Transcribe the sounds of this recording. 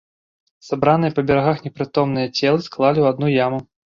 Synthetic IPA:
sabɾanɨjɐpɐbʲɛɾaɣaxnʲɛpɾɨt̪ɔmnɨjɐt͡sʲɛlˠɨsklˠalʲiwad̪̚nujamu

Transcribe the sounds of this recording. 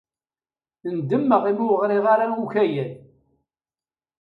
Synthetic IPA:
ənd̪əmːəʁimuəʁɾiʁaɾawuçæjən

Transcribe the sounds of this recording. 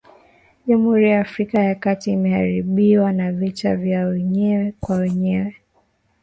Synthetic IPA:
ʄam̩uhuɾijaːfɾikajakatiːmɛhaɾiɓiwanavitavjawɛɲɛwɛkwawɛɲɛwɛ

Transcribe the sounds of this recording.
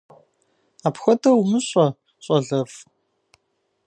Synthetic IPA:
aːpxʷɔdɐwmɨɕʷʼɔ | ɕʼɔɮɐf

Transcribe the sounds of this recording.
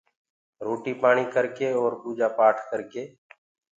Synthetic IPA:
ɾoːʈiːpaːɳ̃iːkəɾkeːoːɾbuːd͡ʒaːpaːʈʰkəɾkeː

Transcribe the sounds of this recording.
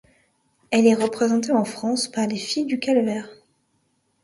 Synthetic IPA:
ɛlɛʁəpχezɑ̃t̪eɑ̃fχɑ̃spaʁlefijd̪ykalvɛʁ

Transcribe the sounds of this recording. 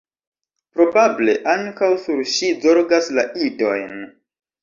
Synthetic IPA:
pɾo̞bable̞̰ʔaŋkawsuɾʃizoɾɡaslaʔido̞jn

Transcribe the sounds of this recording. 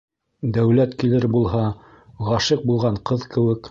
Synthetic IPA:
d̪æwlæt̪kilɘɾbulˠɦɑ | ʁɑʃɤq̚bulˠʁɑɴqɤðkɘ̆wɘk

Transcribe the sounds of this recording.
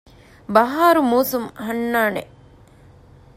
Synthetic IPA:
bɐɦaːɾumuːsumhɐnːaːne

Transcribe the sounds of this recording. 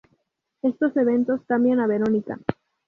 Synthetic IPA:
e̞st̪o̞se̞β̞e̞nt̪o̞skambjanaβe̞ɾo̞nika̰

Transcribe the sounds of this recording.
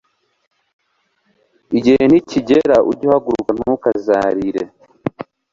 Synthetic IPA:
iɟihen̥hiciɟeɾaʔuɟuhaɡuɾuɡan̥ukazaːɾiɾḛ

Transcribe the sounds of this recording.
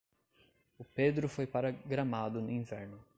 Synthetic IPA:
ʊped̪ɾʊfojpaɾaɡɾamad̪ʊnʊĩvɛɾnʊ

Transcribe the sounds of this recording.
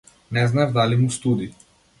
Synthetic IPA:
nɛznaɛvd̪alimust̪ud̪i

